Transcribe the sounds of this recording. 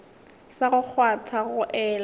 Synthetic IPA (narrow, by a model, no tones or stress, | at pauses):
saɣʊk͡xʰwatʰaɣʊʔɛːl